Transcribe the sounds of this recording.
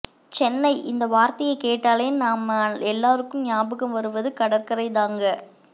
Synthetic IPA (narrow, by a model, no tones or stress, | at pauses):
t͡ʃɛnːɐɪʔɪnd̪ɐʋaːɾt̪ɐjɐɪkeːʈːaːleːnnaːmɐɛlːaːɾɯkːɯmɲaːbɯkːɐmʋɐɾɯʋɐðɯkɐɽɐrkɐɾɐɪðaːŋɡɐ